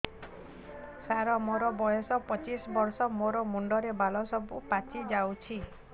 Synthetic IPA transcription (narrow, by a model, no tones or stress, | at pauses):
saɾɔmɔɾɔbɔjɔsɔpɔt͡ʃisɔbɔɾsɔmoɾɔmuɳɖɔɾebalɔsɔbupat͡ʃid͡ʒawt͡ʃʰi